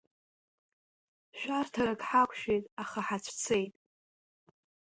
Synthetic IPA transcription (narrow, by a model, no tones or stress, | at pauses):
ʃᶣartʰarakʼħakʷʰʃᶣejtʼaχaħat͡ɕʷʰt͡sʰe̞jtʼ